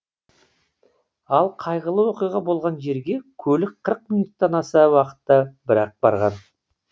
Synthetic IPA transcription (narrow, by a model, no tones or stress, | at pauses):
ɑlˠqʰɑjʁəlˠəwoqijʁɑbo̞lˠʁɑnʒe̞ɾɡʲe̞kʲʰɵlɪk̚qʰəɾəq̚minut̪ːɑnɑsɑwɑqə̥t̪ːɑbɪɾɑq̚bɑ̰ɾʁɑn